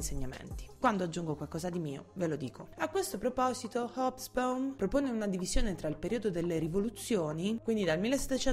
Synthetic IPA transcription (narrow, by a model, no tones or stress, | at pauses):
nseɲːamḛnt̪i̥kwand̪oad͡ʒːuŋɡokwalkɔːzad̪imiːo̰velod̪iːkʰoakːwest̪opɾopɔːzit̪ohɔbsbonpɾopoːneunad̪ivizjoːnet̪ɾailpeɾiːod̪od̪elːeɾivolut̪sːjoːnikwind̪id̪almilːesːe̥t̪ːet͡ʃɛ